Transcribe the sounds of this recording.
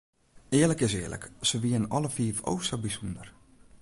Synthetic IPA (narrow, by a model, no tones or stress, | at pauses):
ɪələkɪsɪːələ̰ksəʋiənɔləfiːəfo̰wsəbisundər